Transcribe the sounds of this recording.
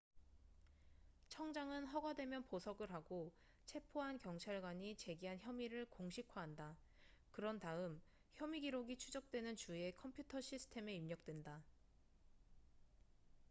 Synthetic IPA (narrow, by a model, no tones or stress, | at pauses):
t͡ɕʰʌŋd͡ʑaŋɯnɦʌɡwadwe̞mjʌnposʰʌɡɯɾɦaɡo | t͡ɕʰe̞pʰoɦankjʌŋt͡ɕʰaɭɡwaɲit͡ɕe̞ɡiɦançjʌmiɾɯɭkoŋɕʰikʰwaɦanda | kɯɾʌntaɯm | çjʌmiɡiɾoɡit͡ɕʰud͡ʑʌk̚t͈we̞nɯnt͡ɕue̞kʰʌmpʰjutʰʌɕʰisʰɯ̥tʰe̞me̞imɲʌk̚t͈we̞nda